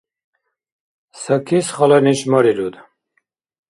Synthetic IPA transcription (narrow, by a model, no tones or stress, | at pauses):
səkʰisχələniʃməɾilud̪